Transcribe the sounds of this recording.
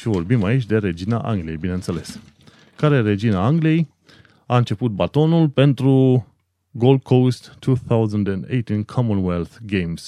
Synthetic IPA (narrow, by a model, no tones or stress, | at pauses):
ʃivo̞rbimait͡ʃʲd̪e̞ɾe̞d͡ʒinaʔa̰ŋɡlije̞jbineɨnt̪se̞le̞s | kaɾe̞ɾe̞d͡ʒinaaŋɡlije̞j | aɨnt͡ʃe̞put̪̚bat̪o̞nulpe̞nt̪ɾu | ɡold̪̚kʰowst̪ʰːuθawzənd̪ɛ̃nd̪ḛjt̪inkʰɔmõnwelθɡejms